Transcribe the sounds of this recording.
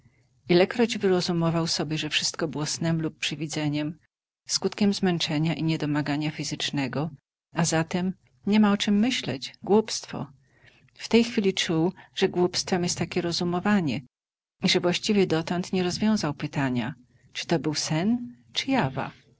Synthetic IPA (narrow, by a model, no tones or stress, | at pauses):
ilɛkɾɔd͡ʑvɘɾɔzumɔvawsɔbʲjɛʐɛfʂɘst̪̚kɔbɘwɔsnɛmlupːʂɘvʲid̪zɛɲɛm | skut̪kʲɛmzmɛnt͡ʂɛɲaʔiɲɛd̪ɔmaɡaɲafʲizɘt͡ʂnɛɡɔ | azat̪ɛm | ɲɛmaɔt͡ʂɘmːɘɕlɛd͡ʑɡwupst̪fɔ̰ | ft̪ɛjxfʲilʲit͡ʂuwʐ̥ɛɡwupst̪fɛmjɛst̪ːakʲɛɾɔzumɔvaɲɛ | iʐɛvwaɕt͡ɕivʲjɛd̪ɔt̪ɔnt̪ɲɛɾɔzvʲjɔ̃w̃zawpɘt̪aɲa̰ | t͡ʂɨ̥t̪ɔbɘwsɛn | t͡ʂɘ̥java̰